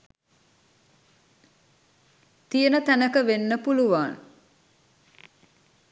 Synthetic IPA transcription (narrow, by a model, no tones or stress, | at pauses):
t̪ijənət̪ænəkəʋenːəpuluʋaːn